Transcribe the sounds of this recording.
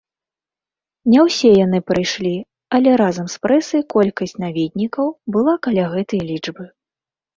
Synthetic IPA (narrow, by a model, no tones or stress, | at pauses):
nʲɛwsʲɛjanɨpɾɨjʂlʲi | ɐlʲɛɾazɐmspɾɛsɐjkɔlʲkɐsʲtʲt͡sʲnavʲid̪̚ʲnʲikɐwbɨlˠakalʲaɣɛt̪ɐjlʲid͡ʐbɨ